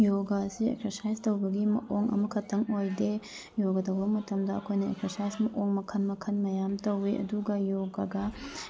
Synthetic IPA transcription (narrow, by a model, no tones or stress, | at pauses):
joɡasiḛkseɾsajstɐwbɐɡimɐ̰ʔoŋʔɐ̰mɐkʰɐtʰːɐŋojde | joɡɐtɐwbɐmɐtʰɐmdɐːkʰojnɐḛkseɾsajsmɐʔoŋmɐkʰɐnmɐkʰɐnmɐjamtɐwiʔɐ̰duɡɐjoɡaɡɐ